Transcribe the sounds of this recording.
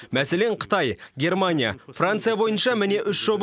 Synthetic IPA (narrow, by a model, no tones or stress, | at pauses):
mæse̞leɴqʰə̥t̪ɑjɡʲe̞rmanʲija̰frant̪sɨjabo̞jənʃɑmɪne̞ʔʏʃʒ̥o̞b